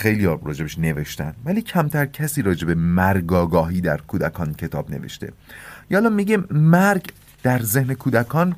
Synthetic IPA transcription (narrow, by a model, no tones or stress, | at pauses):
xejlijɒːɾɒːd͡ʒe̞beʃne̞ve̞ʃt̪æ̰nvæliːcʰæmt̪ʰæɾcʰæsiːɾɒːd͡ʒe̞be̞mæɾɡɒːɡɒːɦiːd̪æɾkʰuːd̪ækʰɒːncʰe̞t̪ʰɒ̰ːbnḛvḛʃt̪e̞̰jːlɒːmiɟemæɾɡ | d̪̥æɾzehne̞kʰuːd̪ækʰɒːn